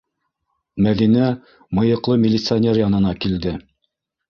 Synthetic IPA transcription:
mæðinæ | mɤ̆jɤ̆qlˠɤmʲɪlʲɪt̪sɨanʲeɾjɑnɤ̆nɑkild̪ɘ

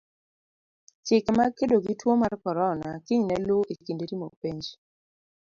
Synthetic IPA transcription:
t͡ʃɪkmakedoɡitwomarkɔɾɔnakiɲnɛlʊʔikindeɾimopeɲd͡ʒ

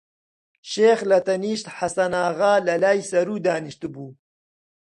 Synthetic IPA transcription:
ʃeːxlɐt̪ɐniːʃt̪ħasɐnaːɣaːlɐlaːjsɐɾuːd̪aːniʃt̪ɨbuː

